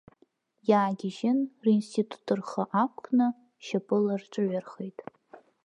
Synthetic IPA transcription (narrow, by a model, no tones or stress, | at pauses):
jaːɡʲɪʒɪnrinstʰitʰʼu̥tʰʼɨrχaʔakʷʰʼnɨ | ʃapʼɨlarʈ͡ʂʷʼɨɥʷarχejtʼ